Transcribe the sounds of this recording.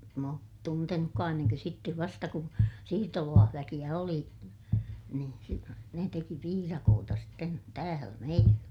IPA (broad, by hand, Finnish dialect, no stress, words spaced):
m oːt tuntenukːɑː enːeŋkø sitːeʋ ʋɑstɑ kun siːrtolɑːhʋækij̆æ oli niːn si ne teki piːrɑkoːtɑ sitːen tæːlæ meilːæ